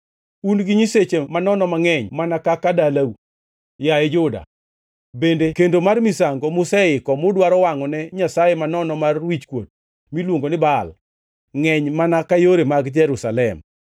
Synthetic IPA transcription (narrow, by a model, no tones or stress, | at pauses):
unɡɪɲiset͡ʃemanɔnɔmaŋɛɲmanakakadalaw | jajɛd͡ʒʊda̰ | bendekendomarmisaŋɡomʊsɛɪkɔmʊdwaɾɔwaŋɔnɛɲasajemanɔnɔmarwit͡ʃkwo̰t̚ | milwoŋɡonɪbal | ŋɛɲmanakajoɾemaɡd͡ʒɛɾusalɛm